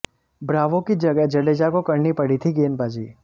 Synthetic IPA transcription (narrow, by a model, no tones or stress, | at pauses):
bɾaʋõkid͡ʒəɡad͡ʒəɽed͡ʒakokəɾnipəɽit̪ʰiɡenbad͡ʒḭ